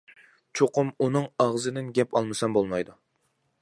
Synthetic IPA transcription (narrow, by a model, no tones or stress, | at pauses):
t͡ʃʰoqʊmunɨŋɑʁzɨd̪ɪnɡʲɛpʰɑlˠmɨsɛnbolˠmɑjd̪u